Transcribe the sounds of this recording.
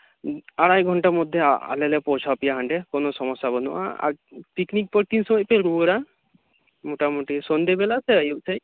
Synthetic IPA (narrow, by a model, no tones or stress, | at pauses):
aɽajɡʱɔɳʈaɾmod̪ʱjea̰lelepɔwt͡ʃʰapijaɦaɳɖekonosɔmɔsːabɔnua̰a̰ɾpiknik̚pɔɾt̪insɔmɔjpeɾuɾa | moʈamoʈisɔnd̪ebelaseajosʰej